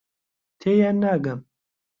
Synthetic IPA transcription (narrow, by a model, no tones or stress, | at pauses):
t̪ʰejanːaːɡɐm